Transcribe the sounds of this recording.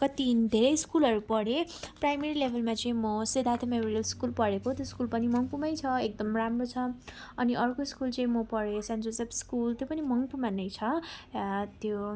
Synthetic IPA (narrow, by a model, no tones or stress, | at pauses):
kʌt̪ind̪ʱeɾʌjskulʌɾupʌɽeprajmeɾilebʱʌlmat͡sʌĩmʌsed̪ʱat̪ʰamemʌɾiʌlskulpʌɽekot̪joskulpʌnimʌŋpumʌjt͡sʰʌek̚d̪ʌmramrot͡sʰʌʌniʔʌrkoskult͡sʌĩmʌpʌɽesand͡zosʌbskult̪jopʌnimʌŋpumanʌjt͡sʰʌ | t̪jo